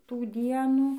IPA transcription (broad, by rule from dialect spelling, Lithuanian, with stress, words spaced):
ˈtuː ˈdʲiɛnuː